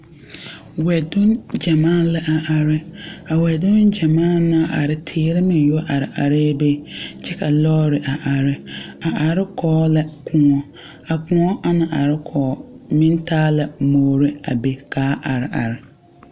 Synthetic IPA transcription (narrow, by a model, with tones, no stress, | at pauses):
wɛ˨dʊ˦nd͡ʒa˨mãː˦˨lɛ˦ʔa˨ʔa˨ɾɪ˦a˨wɛ˨dʊ˦nd͡ʒa˨maː˦˨na˦ʔa̰˨ɾɪ˨tʰɪː˦ɾɪ˦mɪ̃˨n˦jʊ˦ʔa˨ɾɪ˨ʔa̰˨ɾɪ˦be˦t͡ʃɛ˦ka˨lɔː˦ɾɪ˨ʔa˨ʔa˨ɾɪ˦a˨ʔa˨ɾɪ˦kʰɔː˦lɛ˦kʰʊ̃˦ŋɔ˨ | a˨kʊ̃˨ŋɔ˦ʔa˨na˨ʔa˨ɾɪ˦kʰɔː˨˦mɪ̃˦n˦tʰaː˦lɛ˨moː˨ɾɪ˦a˨be˨kaː˨˦ʔa̰˨ɾɪ˨a̰˨ɾɪ˨